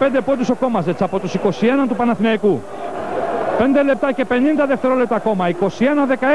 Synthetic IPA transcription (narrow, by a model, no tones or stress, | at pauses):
pend̪epo̞d̪uso̞ko̞mɐzet͡sɐpo̞t̪usiko̞sie̞nɐnt̪upɐnɐθinɐiku | pe̞nd̪e̞le̞p̚t̪ɐce̞pe̞nind̪ɐðeft̪e̞ɾo̞le̞p̚t̪ɐko̞mɐiko̞sie̞nɐðe̞kɐ